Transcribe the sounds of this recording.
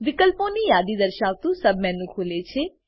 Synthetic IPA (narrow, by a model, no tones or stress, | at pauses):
ʋɪkəlpõːniːjaːd̪iːd̪əɾʃaːʋt̪ũːsəbmɛ̃ːnũːkʰoːleːt͡ʃʰeː